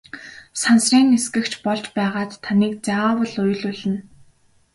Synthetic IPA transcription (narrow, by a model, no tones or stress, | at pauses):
sansriːneskɘ̆kt͡ɕpɔɮt͡ɕpæːʁaːt̪ʰːaniːk̚t͡sawə̆ɮʊj̆ɮʊɮɘ̆n